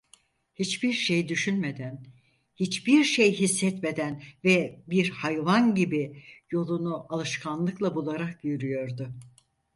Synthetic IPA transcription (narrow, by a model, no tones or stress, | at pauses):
hit͡ʃbiɾʃejd̪yʃynme̞d̪æn | hit͡ʃbiɾʃejɦisːɛt̪me̞d̪ænvɛbiɾhajvanɟibijo̞lˠunuʔalˠɯʃkʰanlˠɯklˠabulˠaɾak̚ɟyjyɾyjo̞ɾd̪ʊ